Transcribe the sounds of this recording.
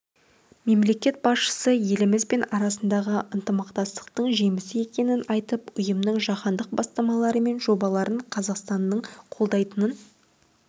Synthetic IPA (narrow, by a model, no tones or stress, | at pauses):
me̞mle̞kʲe̞t̪̚bɑsʃə̥səje̞lɪmɪzbe̞nɑɾɑsənd̪ɑʁəʔənt̪əmɑqt̪ɑst̪ə̥q̚t̪əɴʒe̞mɪsɪe̞kʲe̞nɪnɑjt̪əpʊjəmnəɴʒɑqɑnd̪əq̚bɑst̪ɑmɑlˠɑɾəme̞nʒo̞bɑlˠɑɾʔəɴqʰɑzɑqst̪ɑnːəɴqʰo̞lˠd̪ɑjt̪ənən